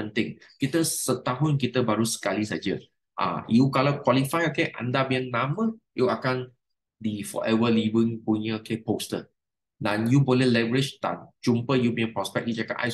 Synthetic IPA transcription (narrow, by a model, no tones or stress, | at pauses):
ə̃nt̪ɪ̃ŋkit̪əsət̪aɦʊnk̬it̪əbaɾusə̥kalisad͡ʒə | ʔa̰jukalakwalifajokeʔa̰ndabĩə̃ŋnãmə̃juakãn | difɔ̰ʔɛvəlivĩŋpuɲəokepostə̰ | dãnjubolɛhlavəɹɪt͡ʃd̪ã̰nd͡ʒumpəjubĩə̃npɹɔspɛk̚lid͡ʒakapʔa̰j